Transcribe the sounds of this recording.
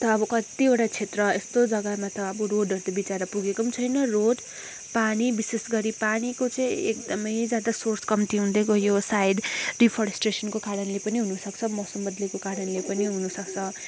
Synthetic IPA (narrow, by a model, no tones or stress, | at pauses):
t̪ʌːbʌkʌt̪ioʈat͡sʰet̪rʌest̪od͡zʌɡʌmat̪ʌʌbʌroɖʌɾut̪abit͡saɾʌpuɡekout͡sʰʌjnʌroɖ | panibisesɡʌɾipanikot͡sʌĩek̚d̪ʌmʌjd͡zjad̪asorskʌmt̪iɦũnd̪ekojosajɖripʰʌɾesʈresʌnkokaɾʌnlepʌniɦunusʌk̚t͡sʰʌmʌsʌmbʌd̪lekokaɾʌnlepʌniɦunusʌkt͡sʰʌ